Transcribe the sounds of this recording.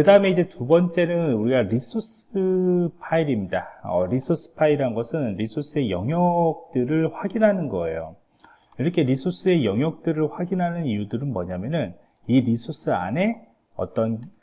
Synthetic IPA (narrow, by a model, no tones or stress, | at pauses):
kɯdaɯme̞id͡ʑe̞tubʌnt͡ɕ͈e̞nɯnuɾiɡaɾisʰusɯpʰaiɾimɲidaʌɾisʰos͈ʰɯ̥pʰaiɾaɯnɡʌsʰɯnɾisʰus͈ʰɯe̞jʌŋɦjʌk̚t͈ɯɾɯɭɸwaɡinɦanɯnɡʌ̰e̞̰jo̰ | iɾʌkʰe̞ɾisʰus͈ʰɯe̞jʌŋɦjʌk̚t͈ɯɾɯɭɸwaɡinɦanɯnijudɯɾɯnmʌɲamjʌnɯn | iɾisʰus͈ʰɯa̰ne̞ | ʌ̰t͈ʌn